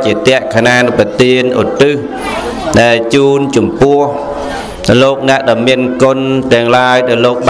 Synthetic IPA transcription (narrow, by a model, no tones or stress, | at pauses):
t͡ɕiət̪ɛ̆əʔkʰanaːnɨpət̪iənʔo̰t̪ɨh | ɗaɛlt͡ɕuːnt͡ɕɑmpʊ̆əh | loːk̚nɛ̆əʔɗaɔmiənkont̪ɛ̆əŋlaəjɗaɔloːk̚ɓ